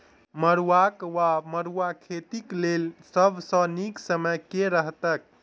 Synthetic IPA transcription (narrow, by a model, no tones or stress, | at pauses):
məɾuwakʋaməɾuakʰet̪iklelsəbʱsə̃niksəməjkeɾəɦt̪ək̚